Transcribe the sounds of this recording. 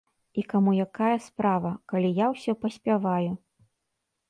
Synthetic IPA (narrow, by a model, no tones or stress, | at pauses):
ikamujakajɐspɾavɐkalʲijawsʲɔpɐsʲpʲavaju